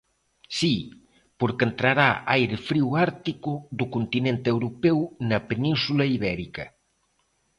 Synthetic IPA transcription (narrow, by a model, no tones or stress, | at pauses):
si | poɾkent̪ɾaɾaajɾɪfɾiwaɾt̪ikʊðʊkont̪inẽnt̪ɪewɾopɛwnɐpenĩnsulɐiβɛɾikɐ